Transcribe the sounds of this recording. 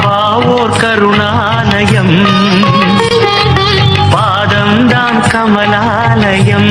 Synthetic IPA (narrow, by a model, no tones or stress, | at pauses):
aː | ʋoːɾkɐɾuɳaːlɐjɐm | paːd̪ɐmd̪aːnkɐmɐlaː | lɐjɐm